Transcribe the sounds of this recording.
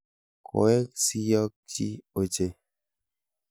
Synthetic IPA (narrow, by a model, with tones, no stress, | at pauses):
kʰo̰˨ɛ˦ksi˦jɔ˦k̚t͡ʃi˦o˨t͡ʃe˨